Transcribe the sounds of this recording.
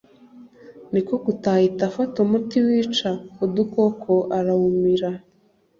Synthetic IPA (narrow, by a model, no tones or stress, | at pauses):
niko̞kutahitafatomutiwiːt͡ʃaud̪uko̞kʰoʔaɾahumiɾa